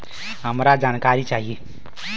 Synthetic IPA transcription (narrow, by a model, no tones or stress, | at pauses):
ɦəmɾad͡zankaɾit͡saɦi